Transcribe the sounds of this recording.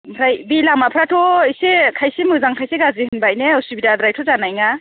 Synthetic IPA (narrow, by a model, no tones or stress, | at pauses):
pʰɾajbilamapʰɾatʰɔisekʰajsemɯzaŋkʰajseɡazihɯɯnbajneɯsubidadɾajtʰɔzanajŋa